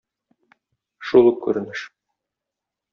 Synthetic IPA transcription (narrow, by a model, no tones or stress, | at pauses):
ʃulˠukʉ̰ɾɘ̆nɘʃ